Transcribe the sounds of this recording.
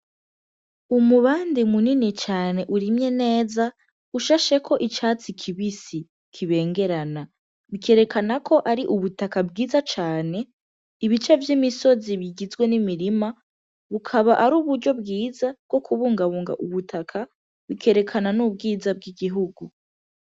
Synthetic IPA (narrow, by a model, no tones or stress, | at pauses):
umuβaːndimuninit͡ʃaːne̞ʔuɾimɲe̞ne̞ːza | uʃaʃe̞kʰo̞ʔit͡ʃaːt͡sikʰiβisi | kʰiβe̞ːŋɡe̞ɾana | βikʰe̞ːɾe̞kʰanakʰo̞ʔaɾiʔuβutakabɡiːzat͡ʃaːne̞ | iβit͡ʃe̞vjimiso̞ziβiɡizɡwe̞nimiɾima | βukʰaβaʔaɾuːβuɾɟo̞bɡiːzabɡ̥o̞kʰuβuːŋɡaβuːŋɡa̰ʔuβutʰakʰa | βikʰe̞ɾe̞kʰananub̚ɡiːzab̚ɡiɡiɦuɡu